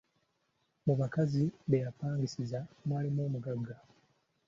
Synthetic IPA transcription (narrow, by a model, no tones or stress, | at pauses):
muβakaziβe̞japaːŋɡisizamwaːlimo̞ːmuɡaɡːa